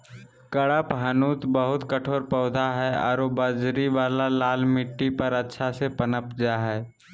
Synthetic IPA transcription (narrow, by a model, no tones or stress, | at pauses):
kəɽəpɦənuːt̪bəɦʊt̪kəʈʰoːɾpɔːd̪ʱaɦɛɔ̰ːɾobəd͡ʒɾiʋaːlalaːlmɪʈːipəɾətːʃʰasepənəpd͡ʒaɦɛː